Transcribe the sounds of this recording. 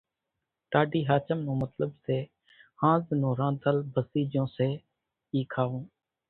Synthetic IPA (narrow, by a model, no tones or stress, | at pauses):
ʈaːɖiːɦaːt͡ʃəmnõːmət̪ləbseː | hãːznõːɾãːd̪əlbəsiːd͡ʒõːseː | iːkʰaːʋũː